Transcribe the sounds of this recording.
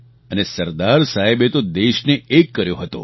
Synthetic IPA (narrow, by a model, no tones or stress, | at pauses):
ənesəɾd̪aɾsaɦebet̪od̪eʃneekːəɾjoɦət̪o̰